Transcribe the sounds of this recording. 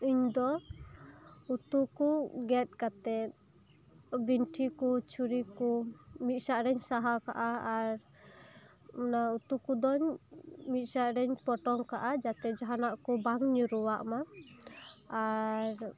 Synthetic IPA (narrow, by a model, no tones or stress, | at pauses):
iɲd̪ɔ | ut̪ukuɡɛt̪̚kat̪ɛt̪̚ | binʈʰikut͡ʃʰuɾikumit̪̚ˀsaʔɾɛɲsaɦaka̰ʔaːɾ | ɔnaut̪ukud̪ɔɲmit̪̚ˀsaʔɾɛɲpɔʈɔŋkaʔad͡ʒat̪ɛd͡ʒaɦanaʔkubaŋɲuɾuwaʔma | aɾ